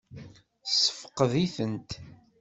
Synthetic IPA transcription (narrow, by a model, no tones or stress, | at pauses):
sə̥fə̥qəðiθənt̪